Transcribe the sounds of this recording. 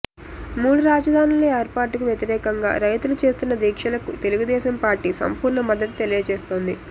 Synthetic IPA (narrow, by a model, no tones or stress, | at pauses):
muːɽuɾaːd͡ʒɐd̪ʱaːnileːɾpaːʈːukuʋjet̪iɾɛːkɐŋɡa̰ːɾɐjt̪ulut͡ʃe̞ːst̪unːɐd̪iːkʂɐlɐkut̪e̞luɡud̪ɛːʃɐmpaːɾʈiːsɐ̰mpuːɾɳɐmɐd̪ːɐt̪̬u̥t̪elijɐt͡ʃeːst̪o̞ːnd̪i